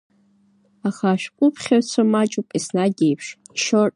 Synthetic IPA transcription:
aχaːʃᶣkʷʼʊpʰχʲart͡sʷʰamat͡ʃʼupʼisnaɡʲejpʰʃiʃorʼ

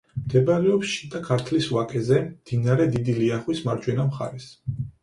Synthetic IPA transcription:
md̪̥ɛbaɾɛɔpsʃid̪akʰaɾt̪ʰliswakʼɛzɛmd̪̥inaɾɛd̪id̪iliaχwismaɾd͡ʒwɛnamχa̰ɾɛs

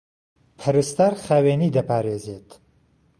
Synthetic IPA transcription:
pʰɐɾɨst̪aːɾχaːweːniːd̪ɐpʰaːɾeːzeːt̪

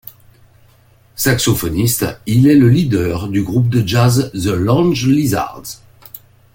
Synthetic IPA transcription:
saksɔfɔnist̪ilɛləlid̪œʁd̪yɡʁup̚d̪əʒazzəlɑ̃nʒliza̰ʁd̪

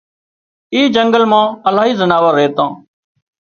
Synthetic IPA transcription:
iːd͡ʒəŋɡəlmãːəlaːɦiːzənaːʋəːɾeːt̪ãː

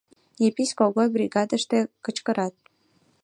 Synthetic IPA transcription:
jepisʲkoɡojbɾʲiɡɑd̪ə̆ʃt̪ĕkə̆t͡ɕkə̆ɾɑt̪̚

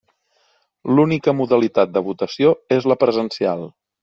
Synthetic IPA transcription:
lunikəmuðəlit̪at̪̚d̪əβ̞ut̪əsioezləpɾəzənsia̰lˠ

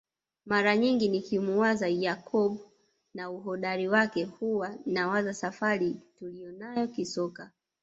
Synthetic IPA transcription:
maɾaɲiŋɡinikimuwazajakʰɔɓu | nauɦɔɗaɾiwakɛhuwanawazasafaɾitulijɔnajɔkisɔka

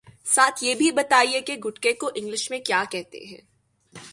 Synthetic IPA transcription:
saːt̪ʰjeːbʱibɐt̪aːiekeɡʊʈkekoʔɪ̃ŋɡlɪʃmẽkjaːkɛɦt̪ḛɦɛ̰̃ː

